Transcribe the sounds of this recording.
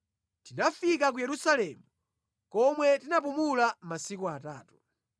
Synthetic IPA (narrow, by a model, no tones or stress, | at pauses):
tinafik̬ak̬ujɛɾusalɛːmu | kɔmwɛtinap̬umulamasikuataːtu̥